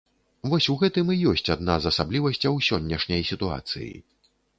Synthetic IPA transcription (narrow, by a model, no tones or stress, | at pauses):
vɔsʲuɣɛt̪ɨmijɔsʲt͡sʲad̪̚nazɐsablʲivɐsʲt͡sʲɐwsʲɔnʲːɐʂnʲɐjsʲit̪ua̰t̪sɨ̰jḭ